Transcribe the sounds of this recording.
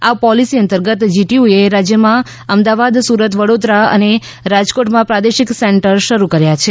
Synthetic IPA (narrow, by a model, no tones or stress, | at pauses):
apɔlisiənt̪əɾɡət̪d͡ʒiʈiueɾad͡ʒjəmã | əmd̪aʋad̪suɾət̪ʋəɽod̪ɾaə̰ne | ɾad͡ʒkoʈmãpɾad̪eʃikseɳʈəɾʃəɾukəɾjat͡ʃʰe